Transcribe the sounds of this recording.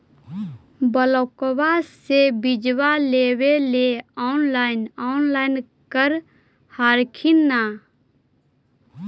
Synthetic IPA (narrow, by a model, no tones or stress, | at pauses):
bəlɔkwasebid͡ʒwaleweleaʊnlaːɪnaʊnlaːɪn | kəɾ | haːɾkʰinːa